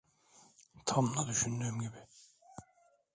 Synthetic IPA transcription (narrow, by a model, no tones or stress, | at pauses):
t̪ʰamlˠad̪yʃynd̪yːmɟibɪ